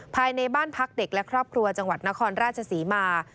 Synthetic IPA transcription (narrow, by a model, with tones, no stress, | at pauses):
pʰaː˧jna˧jbaː˥˩npʰa˦˥k̚de˨˩k̚lɛ˦˥kʰɾɔː˥˩p̚kʰɾu˧ɐt͡ɕa˧ŋwa˨˩t̪̚na˦˥kʰɔː˧nɾaː˥˩t̪̚t͡ɕʰa˧siː˩˦maː˧